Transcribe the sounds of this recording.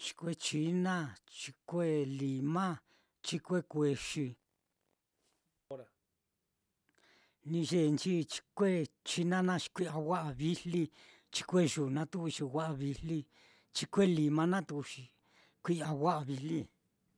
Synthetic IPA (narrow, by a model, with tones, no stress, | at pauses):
t͡ʃi̥˧kʷe˦t͡ʃi˧˦nã˦t͡ʃi˧kʷe˦li˨mã˦ | t͡ʃi˧kʷe˦kʷe˧ʃi˧˦ | ɾa˧ | nĩ˧ʒe˦˧˨nt͡ʃi˦t͡ʃi̥˧kʷe˦t͡ʃi˦nã˦nã˦˧ʃi̥˧kʷi˦a˧wa˦ʔa˧βi˦li˦ | t͡ʃi̥˧kʷe˦ʒu˨nã˧˦t̪u˦u˧t͡ʃi˧wʷa˦ʔa˧βi˧li˦ | t͡ʃi˧kʷe˦˨li˨mã˧nã˦t̪u˧u˧ʃi˨ | kʷi˦a˧ɣʷa˦ʔa˧βi˧li˦